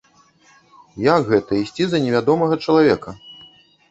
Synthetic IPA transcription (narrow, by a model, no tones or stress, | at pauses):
jakɣɛt̪ɐisʲt͡sʲizɐnʲɛvʲad̪ɔmɐɣɐt͡ʂɐlˠavʲɛkɐ